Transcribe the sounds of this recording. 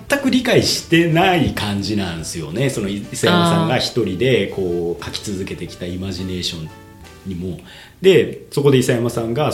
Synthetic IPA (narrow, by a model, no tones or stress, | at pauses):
t̪ːakɯ̟ɾʲikaiɕi̥t̪e̞naikãɲ̟d͡ʑinãɰ̃sɨjo̞̰neso̞no̞isajamassãŋɡaçi̥t̪o̞ɾʲid̪e̞kʰo̞ːkakʲi̥t͡sɨzɨke̞t̪e̞kʲi̥t̪aimaʑine̞ːɕõ̞n | ɲimo̞ | d̪e̞so̞ko̞d̪eisajamasãŋɡa